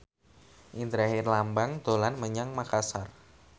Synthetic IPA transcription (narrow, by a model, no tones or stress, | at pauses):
ʔint̪əɾahɪrlambaŋd̪olanməɲaŋmakasar